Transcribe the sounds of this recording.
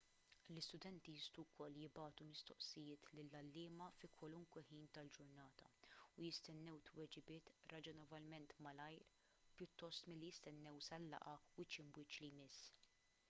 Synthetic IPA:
lɪst̪ʊd̪ɛnt̪ist̪ukʰɔlːjɪbɐːt̪umɪst̪ɔʔsɪjɪːt̪lɪlːɐlːɪːmɐfikwɐlʊŋkwɛħiːnt̪ɐld͡ʒʊɾnɐːt̪ɐʊjɪst̪ɛnːɛwt̪wɛd͡ʒɪbɪːt̪ɾɐd͡ʒɔnɛvɐlmɛnt̪mɐlɐjɾ | pjʊt̪ːɔst̪mɪlːijɪst̪ɛnːɛwsɐlːɐ̰ʔɐwɪt͡ʃɪmwɪːt͡ʃlijmɪsː

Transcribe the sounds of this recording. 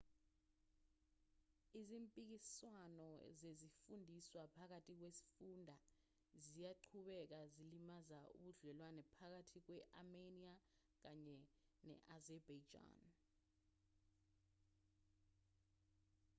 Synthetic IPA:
izimpʼik̬iswanɔ̰zezifundʱiswapʰak̬atʼik̬wesi̥fundʱa | zijaǃʰuɓɛk̬azilimazaṵɓuɮɛlwanɛpʰak̬atʰik̬wɛʔamenia | k̬aɲɛnɛ̰ʔazɛbad͡ʒa̰ːn

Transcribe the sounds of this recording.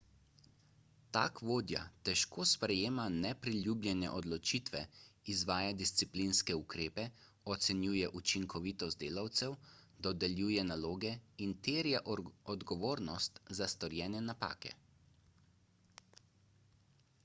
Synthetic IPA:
t̪a̰ːkʋoːd̪ja̰t̪ɛʃkoːspɾɛjeːmanɛpɾiljuːblʲjɛnɛ̰ʔɔd̪lɔt͡ʃiːt̪ʋɛizʋaːjad̪ist̪siplinskɛukɾeːpɛ | ɔt̪sɛnjuːjɛʔut͡ʃiŋkʰɔʋit̪ɔzt̪̚d̪eːlawt̪sɛwd̪ɔd̪ɛlʲjuːjɛnaloːɡɛint̪eːɾjaʔɔd̪ɡɔʋoːɾnɔst̪zast̪ɔɾjɛːnɛnapa̰ːkɛ̰

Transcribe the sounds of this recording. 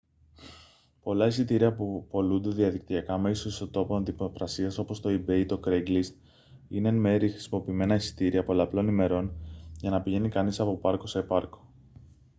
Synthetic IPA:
po̞lɐisit̪iɾiɐpupo̞lund̪e̞ðiɐðik̚t̪iɐkɐme̞isoist̪o̞t̪o̞ponɐnd̪ipɾɐsiɐso̞po̞st̪o̞ibeit̪o̞kɾeɡlist̪ | inenme̞ɾixɾi̥simo̞piːme̞nɐisi̥t̪iɾiɐpo̞lɐplo̞nime̞ɾo̞nʝɐnɐpiʝe̞nikɐnisɐpo̞pɐɾko̞se̞pɐɾko̞̥

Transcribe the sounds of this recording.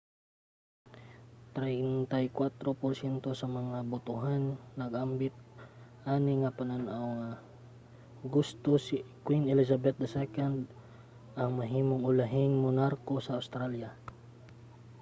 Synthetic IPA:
t̪ɾɛjnt̪ajkwat̪ɾopoɾsjɛnt̪o̞sɐmɐŋabʊt̪ʊɦanːɐɡʔambɪt̪̚ʔaːnɪŋɐpɐnanʔawŋa | ɡʊst̪osikwinɛlɛsabɛt̪̚d̪ɐsɛkand̪ | ʔɐŋmɐɦiːmoŋʊlaɦɪŋmonaɾkosɐːwst̪ɾalja

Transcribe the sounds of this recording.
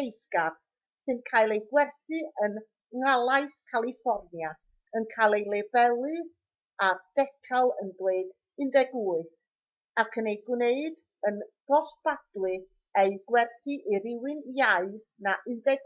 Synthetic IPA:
ejskar | sɨnkʰaːjlˠejɡwɛrθɨən | ŋalˠaɨθkʰalˠifɔrnja | ənkʰalˠejlˠɛbɛlˠɨð | ad̥ɛkʰalˠə̰nbleɨd | ɨndɛɡuːɨ | akʰənejɡwneɨd | ənɡ̥ɔsb̥ad̥lɨ | ejɡwɛrθɨʔiɾɪwɨnjaɨ | naʔɪndɛɡ

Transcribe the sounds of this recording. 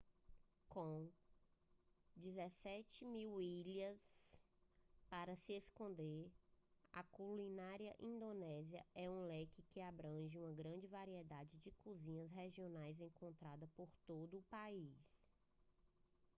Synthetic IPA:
kõ | d͡ʒizesɛt͡ʃɪmiwiʎɐs | paɾɐsieskõnd̪eɾa̰kulĩnaɾiɐʔĩnd̪onɛziɐ̰ɛũlɛkɪkɪabɾɐ̃ʒɪũmɐɡɾɐ̃d͡ʒɪvaɾiɛd̪ad͡ʒɪd͡ʒɪkuzĩɲɐsɦeʒionajzẽŋkõnt̪ɾad̪ɐpoɾt̪od̪ʊːpais

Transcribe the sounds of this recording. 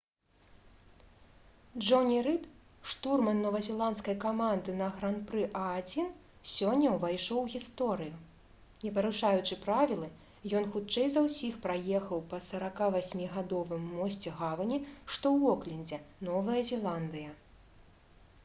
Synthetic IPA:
d͡ʐʐɔnʲiɾɨp | ʂt̪urmɐnːɔvɐzʲɛlˠant̪skɐjkamand̪ɨnɐɣɾanpɾɨʔɐːd͡zʲin | sʲɔnʲːɐwvajʂɔwɣʲist̪ɔɾɨju | nʲɛpɐɾuʂajut͡ʂɨpɾavʲilˠɨ | jɔnxut͡ʂɛjzɐwsʲixpɾajɛxɐwpɐsɐɾakavasʲmʲiɣad̪ɔvɨmːɔsʲt͡sʲɛɣavɐnʲiʂt̪ɔwɔklʲinʲd͡zʲɛnɔvɐjɐzʲɛlˠand̪ɨjɐ

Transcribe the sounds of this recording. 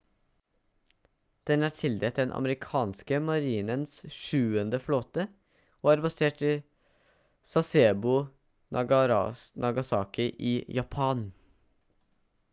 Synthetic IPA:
d̪̥ɛnæːʈʰɪld̪eːt̪̚d̪ɛnʔɑ̰məɾɪkʰɑːnskəmɑɾiːnənsʃʉːənd̪əfloːt̪ə | oːɑːɾbɑseːʈɪ | sɑseːbʊ | nʔɑɡɑsɑːkɪʔiːjɑpʰɑːn

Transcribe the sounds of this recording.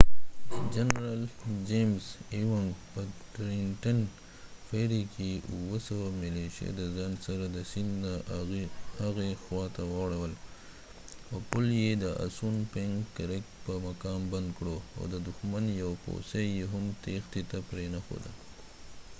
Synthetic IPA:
d͡ʒanɾald͡ʒemzewaŋɡpətɾiɳʈan | feɾikʰeuwəsawamɪleʃḛd̪əzɑnsaɾad̪əsɪnd̪na | haɣexwɑt̪awawɽawəl | awpʊljed̪əa̰sunpeŋkːaɾek̚pəmakɑmband̪̚kɽoa̰wd̪əd̪ʊxmanjawpo̰sejeɦamt̪ext̪et̪apɾenaxo̰d̪ə

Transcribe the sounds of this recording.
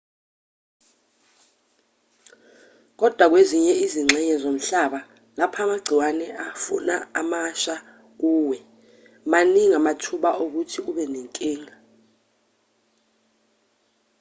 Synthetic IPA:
k̬ɔd̥ʱwak̬weziɲɛiziŋ͡ǁʱɛɲɛzom̩ɬaɓa | lapʰamaɡ͡ǀʱiwanɛʔafṵnaːmaʃa | k̬uːwɛ | maniŋamatʰuɓaʔok̬utʰiuɓɛneŋkʼiːŋa

